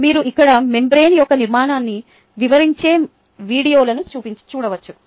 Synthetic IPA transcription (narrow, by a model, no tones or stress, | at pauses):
miːɾuʔikːɐɽɐme̞mbɾe̞ːnijɔkːɐniɾmaːnaːnːi | ʋiʋɐɾiɲt͡ʃe̞ː | ʋiːɽijo̞ːlɐnut͡ʃuːpiɲt͡ʃi̥t͡ʃuːɽɐʋɐt͡ʃːu